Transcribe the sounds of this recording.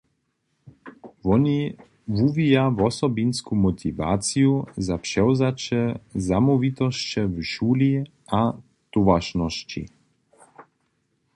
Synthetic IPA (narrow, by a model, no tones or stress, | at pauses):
vɔni | vuvijavɔsɔbinskumɔt̪ʰiva̰ːt͡siuzapʂɛwzat͡ʃɛzamɔvit̪ɔʃt͡ɕɛvʃuːli | a | t̪uvaʃnɔʃt͡ɕḭ